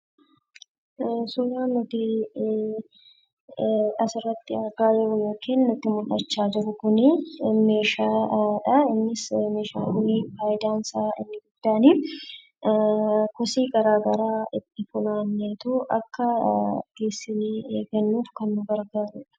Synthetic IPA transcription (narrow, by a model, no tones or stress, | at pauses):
sulaːnːʊt̪i | ɐsɪrːɐt̪ːɪɐɾɡaːd͡ʒɪɾʊnoːkʰiːnːʊt̪ːɪmʊᶑɐt͡ʃːaːd͡ʒɪɾʊkʊnɪme̞ːʃaːᶑɐɪnːɪsmeːʃa̰ːʔʊniːfaːjɪd̪aːnsaːɪnːɪɡʊd̪̥ːaːniː | kɔsiːɡɐɾaːɡɐɾaːɪt̪ːɪfʊnaːnːeːt̪ʊʔɐ̰kːɐɡ̥eːsːɪieːɡɐnːuːfkɐnːʊɡɐɾɡaːɾʊᶑɐ̥